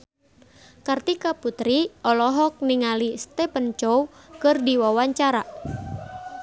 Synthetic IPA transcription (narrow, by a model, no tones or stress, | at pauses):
kərt̪ikaput̪ɾiʔɔlɔɦɔk̚niŋalist̪ɛpənt͡ʃowkɨrdiwawaɲt͡ʃaɾa